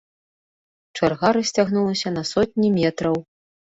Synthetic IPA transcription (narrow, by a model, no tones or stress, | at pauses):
t͡ʂarɣaɾɨsʲt͡sʲaɣnulˠɐsʲɐn̪ɐsɔt̚ʲnʲimʲɛt̪ɾɐw